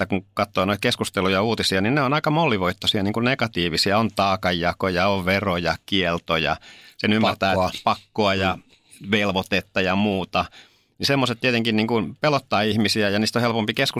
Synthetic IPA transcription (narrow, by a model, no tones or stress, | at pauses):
ækuŋkɑt̪ːoːnoit̪̚keskust̪elujɑuːt̪isiɑninneonɑikɑmolːiʋoit̪ːosiɑniːŋkunnekɑt̪iːʋisiɑont̪ɑːkɑjːɑkojɑoʋʋerojɑkielt̪ojɑ̰senymːært̪æːpɑkːoɑjɑ | ʋelʋot̪et̪ːɑjɑmuːt̪ɑ | nisemːoset̪t̪iet̪eŋkinniːŋkunpelot̪ːɑːihmisiæjɑniːst̪ohelpompikesku